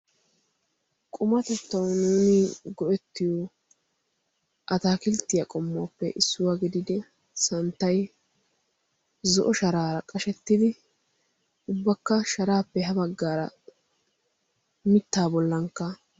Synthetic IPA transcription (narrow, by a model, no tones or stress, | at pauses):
kʼʊmɐt̪ɛt̪ːɐwnuːnɪɡɔʔɛt̪ːɪjɔ | ʔɐt̪aːkɪlt̪ːɪjɐkʼɔmːoːpːɛ̰ʔɪsːʊwaːɡɪd̪ɪd̪ɪ | sɐnt̪ːɐj | zɔ̰ʔɔʃɐɾaːɾɐkʼɐʃɛt̪ːɪd̪ɪ | ʊbːɐkːɐʃɐɾaːpːɛɦɐbɐɡːaːɾɐ̰ | mɪt̪ːaːbɔlːɐŋkːɐ